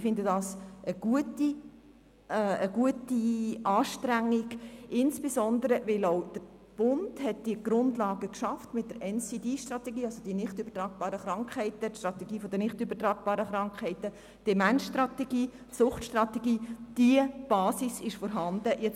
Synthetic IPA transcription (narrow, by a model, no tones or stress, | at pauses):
fɪndədɑːsəɡ̥uəti | əɡ̥uətiʔɑːʃtɾæŋːiɡʔɪnsb̥esɔnd̪əɾəvɪloʊd̥əɾ | b̥ʊnd̥hɛt̚d̥iəɡ̥ɾʊndlɑːɡəkʃɑftmɪt̚d̥əɾɛnsidiːʃtrɑtɛɡiːɑlsod̥inɪχtybətɾɑːɡ̚b̥ɑːɾəχɾɑŋkχhɛɪtəʃtrɾɑt̪ɛɡiːfɔd̪ənɪχtybəɾtɾaːɡ̚b̥ɑːɾəχɾɑŋkχhɛɪtə | d̥ɛmænsʃtrɑtɛɡiːtsʊχtʃtrɑteɡiːd̥iəb̥ɑːsisɪʃfɔːɾɦɑnd̥̪əʔjɛt͡s